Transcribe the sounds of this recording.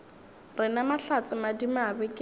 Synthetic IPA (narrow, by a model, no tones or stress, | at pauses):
rɪnamaɬat͡sʼɪmadimabɪkʼ